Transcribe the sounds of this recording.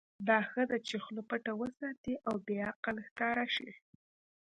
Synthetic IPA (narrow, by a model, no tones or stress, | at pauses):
d̪ɑxəd̪at͡ʃexlopəʈawəsɑt̪iʔawbeaqalxkɑɾaʃi